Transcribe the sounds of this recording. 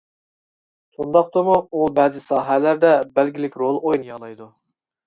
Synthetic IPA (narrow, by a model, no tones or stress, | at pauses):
sʰund̪ɑq̚t̪ɨmuubɛːzɪsɑːɦɛlæɾd̪ɛbælɡʲilɪkʲɾolˠojnɨjɑlˠɑjd̪u